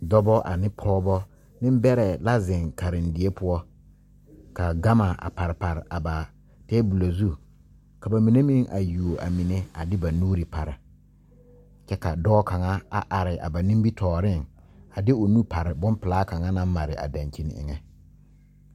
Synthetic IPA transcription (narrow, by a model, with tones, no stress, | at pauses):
dɔ˦bɔ˦ʔa̰˨nɪ˦pʰɔː˦bɔ˦ | nɪ˦m˦bɛ˦ɾɛ˨la˦zɪ˨ŋka˨ɾɪ˨n˨dɪ˨˦e˦pʊ˦ɔ˦ | ka˨ɡa˦ma˨a̰˨pa˨ɾɪ˨pa˨ɾɪ˨ʔa˨ba˨ | tɛː˦bu˨la˨zu˦ | ka˨ba˨mi˨ne˦mi˦ŋʔa̰˨ju˨o˨a̰˨mi˨ne˦a˨dɪ˦ba˨nuː˦ɾi˨pa˨ɾɪ˨ | t͡ʃɛ˦ka˨dɔː˦ka˨ŋa˦a˨ʔa˨ɾɪ˨ʔa̰˨ba˨nĩ˦m˦bi˦tʰɔː˨ɾɪ˦˨ŋ | a˨dɪ˦o˨nu˦pa˨ɾɪ˨bʊ˦mpɪ˨laː˦ka˨ŋa˦na˦m˦ma˨ɾɪ˨ʔa̰˨dã˨nt͡ʃi˦n̰˨ɪ̰˨ŋɛ˦